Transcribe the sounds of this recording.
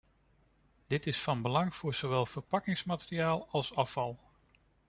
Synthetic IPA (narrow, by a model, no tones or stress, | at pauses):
d̥ɪtɪsfɑnbəlɑŋv̥ʊːɹz̥owʋɛlˠv̥əɹpɑkɪŋsmaːtɪrijaːlˠɑlˠsɑfɑlˠ